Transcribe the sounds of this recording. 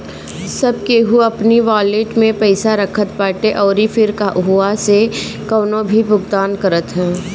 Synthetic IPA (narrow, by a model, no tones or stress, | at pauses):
sɐb̚keɦuɐpniʋaːleːʈmẽpɛɪsaɾəkʰət̪̚paːʈeʔɔːɾifʰɪɾkaʔɦʊasekəːnõbʱibʊɡd̪aːnkəɾət̪ɦɛ̃ː